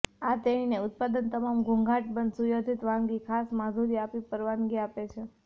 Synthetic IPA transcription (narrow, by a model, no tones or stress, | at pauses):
at̪eineʊt̪̚pad̪ənt̪əmamɡʱuŋɡʱaʈbənd̪sujod̪ʱit̪ʋãŋɡikʰasmad̪ʱuɾiapipəɾʋãŋɡiapet͡ʃʰe